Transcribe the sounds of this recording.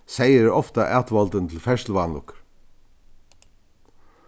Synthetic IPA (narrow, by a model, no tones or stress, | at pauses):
seɪəɾɔft̪ɑʔæːt̪ʋɔlt̪ənt̪ʰl̩fɛʂlʋɑnlʊ̰kɾ